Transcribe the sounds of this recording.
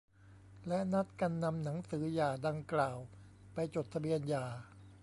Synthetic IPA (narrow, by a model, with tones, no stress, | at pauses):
lɛ˦˥ʔna˦˥t̪̚ka˧nːa˧mna˩˦ŋsɯː˩˦jaː˨˩da˧ŋklaː˨˩w | pa˧jt͡ɕo˨˩t̪ʰa˧bi˧ənjaː˨˩